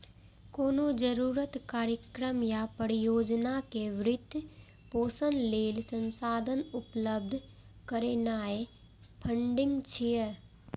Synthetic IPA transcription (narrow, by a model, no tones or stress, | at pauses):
koːnod͡ʒəɾuːɾət̪kaːɾjəkɾəmjapəɾijoːd͡ʒnakeʋɾɪt̪ː | poːsənleːlsə̃nsaːd̪ʱənʊpləb̚d̪ʱ | kəɾeːnaːe | pʰə̃ɳɖɪ̃ŋɡt͡ʃʰijə